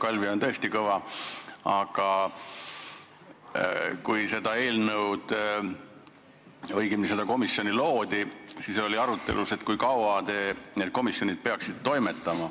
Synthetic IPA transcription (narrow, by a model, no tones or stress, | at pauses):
kɑlʲviont̪ɤ̞est̪ikɤvɑ | ɑɡ̥ɑ | kujse̞d̪ɑe̞ːlnɤwd̪̥ | ɤjɡimnise̞d̪̥ɑko̞misːjo̞nʲilo̞ːd̪̥isisolʲiɑɾut̪ːe̞̰luse̞t̪kujkɑwɑt̪eːned̪̥̚ko̞misjo̞nʲid̪̥̚peɑksid̪̥̚t̪o̞jme̞t̪ːˑɑmɑ